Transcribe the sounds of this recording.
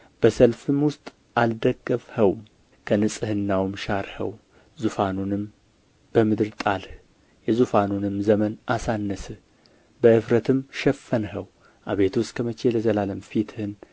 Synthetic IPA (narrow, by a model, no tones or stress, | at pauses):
b̥əsəlfɨmwʊst̪ʼ | ʔald̪əɡːəfhəw | kʰənɨsʼɨhɨnːawmʃaɾhə̰w | zufanunɨm | b̥əmɨd̪ɨɾt̪ʼalh | jɛzufanunɨmzəmənʔasanːəsɨ | bəʔɨfɾət̪ʰɨmʃɛfːənɦəw | ʔaβe̞t̪ʰwʊst̪kʰəmət͡ʃeləzəlaləmfit̪ʰɨhɨn